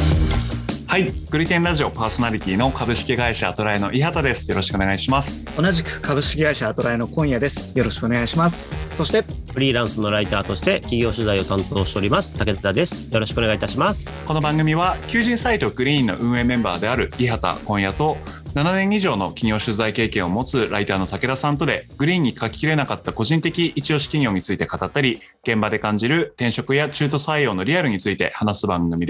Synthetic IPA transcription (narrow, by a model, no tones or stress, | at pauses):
haiɡ̥ɯ̟ɾʲit̪ẽnɾaʑio̞paːso̞naɾʲit̪ʲiːno̞kabɯ̟ɕi̥kʲiɡaiɕa̰t̪o̞ɾaeno̞ʔiɦat̪ad̪e̞sɨ̥jo̞ɾo̞ɕi̥kɯoneɡaiɕimasɨ̥o̞naʑikɯ̟̥kabɯ̟ɕi̥kʲiɡaiɕat̪o̞ɾae̞no̞kõ̞ɰ̃jad̪e̞sɨ̥joɾo̞ɕi̥kɯo̞neɡaiɕimasɨ̥so̞ɕi̥t̪e̞ɸɯ̟ɾʲiːɾãɰ̃sɨno̞ɾait̪aːt̪o̞ɕi̥t̪e̞kʲiɡʲo̞ːɕɨzaio̞t̪ãnt̪o̞ːɕt̪e̞o̞ɾimasɨ̥t̪ake̞tt͡sɨd̪ad̪e̞sɨ̥jo̞ɾo̞ɕi̥kɯo̞neait̪aɕimasɨ̥ko̞no̞bãŋɡɯ̟mʲiβakʲɨːʑĩɰ̃sait̪o̞ɡ̥ɯ̟ɾʲĩːnːo̞̰ʔɯ̟̃ɰ̃e̞mẽ̞mba̰ːd̪e̞aɾɯ̟iɦat̪a̰kõ̞ɰ̃jat̪o̞nananẽ̞ɰ̃iʑo̞ːno̞kʲiɲʲo̞ːɕɨzaike̞ːkẽɰ̃o̞mo̞t͡sɨɾʔait̪aːno̞t̪ake̞ɾasãnt̪o̞d̪e̞ɡ̥ɯ̟ɾʲĩːɲ̟ːikakʲi̥kʲiɾe̞nakat̪ːako̞ʑĩnt̪ekʲiʔit͡ɕio̞ːɕi̥kʲiɲʲo̞ːɲ̟it͡sɨit̪e̞kat̪at̪ːaɾʲi | ɡ̥ẽ̞mbad̪e̞kãɲ̟d͡ʑiɾɯ̟t̪ẽ̞ɰ̃ɕo̞kɯ̟jat͡ɕɨːt̪o̞saio̞ːno̞ɾʲiaɾɯ̟ɲ̟it͡sɨit̪e̞̰hanasɨbãŋɡɯ̟mʲid̪